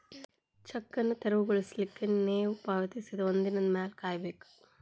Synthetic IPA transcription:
t͡ʃɐkːɐnɨt̪eɾɐʋuɡɐɭislikːɐnneːʋupaːʋɐt̪isid̪ɐʋɐnd̪inɐnmaːlkaːjɐbeːkːu̥

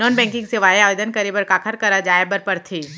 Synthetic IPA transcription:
nɔːnbɛ̃ːŋkɪ̃ŋɡsɪʋaːiaːʋed̪ənkɐɾibəɾkaːkʰəɾkɐɾad͡ʒaːebəɾpəɾt̪ʰiː

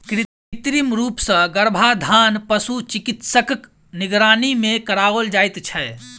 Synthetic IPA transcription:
kɾɪ | t̪ɾimɾuːpsə̃ɡəɾbʱad̪ʱaːnpəsut͡ʃikit̪səkk | niɡɾaːnimẽkəɾaʋəld͡ʒaːjt̪t͡ʃʰɛ

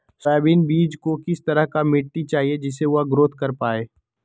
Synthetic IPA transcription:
saːbiːnbiːd͡ʒkokɪst̪ɐɾəɦkamɪʈːit͡ʃaːɦied͡ʒɪseʊaɡɾoːt̪ʰkɐɾpaːeː

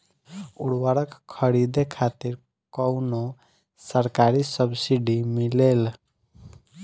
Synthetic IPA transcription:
ṵɽwəɾəkkʰːəɾid̪ekʰat̪iɾ | kəʊno | səɾkaɾisəbsiɖimilel

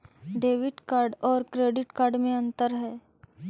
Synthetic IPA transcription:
ɖeːʋɪʈkaːɾɖɔːɾkɾeːɖɪʈkaːɾɖmẽɐ̃nt̪əɾɦɛː

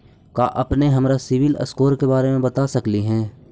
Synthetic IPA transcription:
kaʔɐpneɦɐmɾasɪʋɪlə̰skoːɾkebaːɾemẽbɐt̪asɐkliɦɛ̃ː

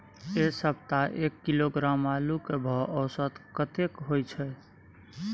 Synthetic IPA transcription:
esəb̚t̪aʔekːiloɡɾamalukebʱɔʔɔːsət̪kət̪ekɦojt͡ʃʰɛ

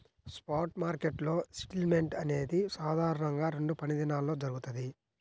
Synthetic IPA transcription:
spaːɾʈmaːɾkeʈlo̞ːsi̥ʈilme̞ɳʈɐne̞ːd̪isaːd̪ʱaːɾɐɳɐŋɡaːɾe̞ɳɖupɐnid̪inaːlːo̞ːd͡ʒɐɾuɡut̪ɐd̪i

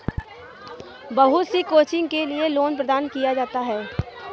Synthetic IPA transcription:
bɐɦʊt̪sikoːt͡ʃɪ̃ŋɡkelieloːnpɾəd̪aːnkijad͡ʒaːt̪aɦɛː

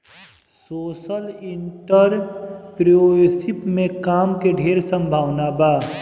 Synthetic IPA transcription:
soːsəliɳʈəɾpɾosɪpmẽkaːmkeɖʱeːɾsə̃mbʱaːwnabaː

